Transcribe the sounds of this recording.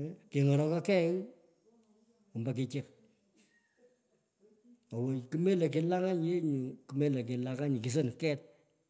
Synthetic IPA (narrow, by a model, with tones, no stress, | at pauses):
ki˨ŋɔ˨ɾɔ˨kɔ˦kɛ˦ŋ | u˨mba˨k̬i˨t͡ʃɪ˦k | o˨wo˨ki˦me˦le˨k̬i˨la˦ŋa˦ɲje˦ɲu˨ku˦me˦le˨k̬ɪ˨laka˦ɲi˨ki˨s̬o˦nkɛ˦t̚